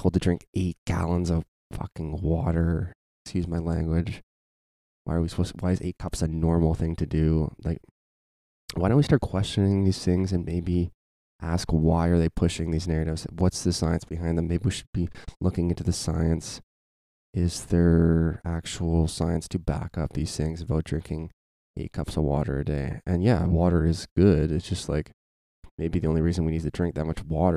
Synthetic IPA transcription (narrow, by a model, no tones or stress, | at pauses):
oɪblˠtʰɨdɹɪ̃ŋkeɪt̚ɡ̥æ̰lˠə̃nzʌv̥ | fʌ̰kɪ̃ŋwɔɾə˞ | ɪkskjʉzmaɪlæ̃ŋɡwɪ̥d͡ʒ̥ | wʔa̰ɪə˞wiswʌwaɪɨzḛɪt̚kʰʌpsɨnɔɹml̩ˠθɪ̃ŋtʰɨdʉlaɪk̚ | waɪɾõʊ̃twistɑɹt̚kʰw̥ɛst͡ʃɨnɪ̃ŋðiz̥θɪ̃ŋzɨ̃nmeɪbi | ʔæskwaɪə˞ðeɪpʰʊʃɪ̃ŋðiznɛɹɨɾɨvz̥wʌtsðɨsaɪɨ̃nsb̥ɨɦãɪ̃nðɨ̃mːeɪbiwiʃɨ̥d̚bilʊkɪ̃ŋɪ̃ntʉðɨsaɪɨ̃ns | ɪzðə˞æk̚t͡ʃul̩ˠsaɪɨ̃nstʰɨbæ̰kʌp̚ðiz̥θɪ̃ŋzɨbaʊt̚dɹɪ̃ŋkʰɪ̃ŋ | ḛkʰʌpsəwɔ̰ɾə̰˞ɨ̰deɪɨ̃njæwɔɾə˞ɪzɡ̥ʊdɨtsd̥ʒ̥ʌst̚ˡlaɪk | meɪbiðiõʊ̃nliɹizɨ̃nwinid̚tʰɨdɹɪ̃ŋk̚ðɨt̚mʌt͡ʃwɔɾə˞